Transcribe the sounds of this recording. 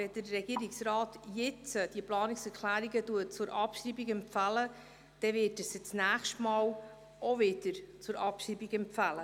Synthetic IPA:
ʋɛd̥ərːɛɡ̥iːɾiksɾɑːt̪jɪt͡səd̥iəplɑːniksɛɾklæːɾiɡəduət͡sʊɾʔɑpʃɾibiɡɛmpfælə | d̥ɛvɪtəsət͡snæːχʃtmɑːw | ʔovɪd̥əɾt͡sʊɾɑpʃiːbiɡɛmfælə

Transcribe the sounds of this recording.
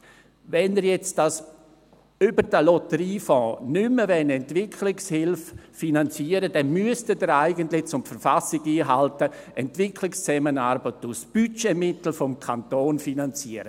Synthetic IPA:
vɛnəɾjɛt͡sd̥as | ybəɾd̥əlɔtəɾiːfɔ̃ːnʏmːəvɛnɛntvɪkʰlɪkshɪlffinant͡siəɾədɛnmyəstədəɾaɪɡəntlɪt͡sʊmfəɾfasɪɡiːɦaltə | ʔɛntvɪkʰlɪkst͡sɛmənaɾbətusb̥yt͡ʃemɪtl̩fɔmkʰantoːnfinant͡siəɾə

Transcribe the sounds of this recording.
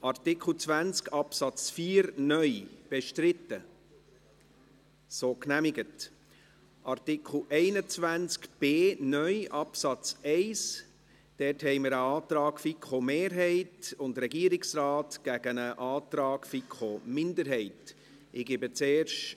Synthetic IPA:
ʔɑrtɪkχl̩ˠt͡sʋænt͡skɑpsɑt͡sfiːɾnœʏb̥eʃtɾɪtːə | soːknæmɪɡət | ʔɑrtɪkʰl̩ʔɛɪnət͡svænt͡skb̥eːnœʏʔɑpsɑt͡sɛɪs | d̥ɛthɛɪmɪɾəɑːt̪ɾɑːɡfikʰomeːɾɦɛɪtʊndɾɛɡiːəɾɪksrɑːtɡ̥æɡ̥ənəʔɑːtɾɑːɡ̥fikχomɪndəɾɦɛɪt | ɪɡɪbət͡seːɾʃ

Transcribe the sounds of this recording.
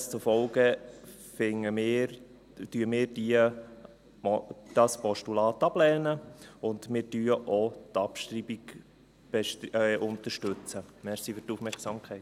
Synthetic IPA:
st͡sufɔlɡə | fɪŋəmɪːɾ | tyəmɪːɾdiə | d̥ɑspɔʃtulɑːt̪ɑblɛːnəʊndmɪːɾdyːəʔotɑpʃtɾiːbik | b̥ɛʃʔʊnt̪əɾʃtʉt͡səmɛɾsiːfyrtufmɛɾksɑːmkʰɛɪt

